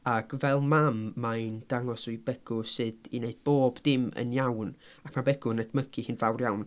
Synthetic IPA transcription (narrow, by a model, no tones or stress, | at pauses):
akʰvɛlˠmamːaɨnd̥aŋɔsujbɛɡ̥ʊsɨd̥ineɨd̚boːbdɪmə̰njawn | akʰmabɛɡʊnədməkʰihɨnvawrjawn